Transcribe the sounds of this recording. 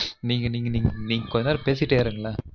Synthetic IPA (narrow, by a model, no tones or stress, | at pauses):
niːŋɡɐniːŋɡɐniːŋniːŋɡɐkɔɲd͡ʒɐnaːɾpeːsɪkɪʈːeːɾɯːŋɡɐɭaː